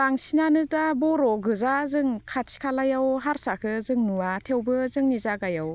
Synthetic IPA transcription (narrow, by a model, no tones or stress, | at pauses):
aŋsinanɯdabɔɾɔɡɯzazɯŋkʰatsʰi̥kʰalajawɦaɾsakʰɯzɯŋnuatʰewbɯzɯŋnizaɡajaw